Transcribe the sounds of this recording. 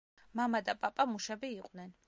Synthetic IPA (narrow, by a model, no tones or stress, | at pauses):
mamad̪apʼapʼamuʃɛbiːqʼnɛn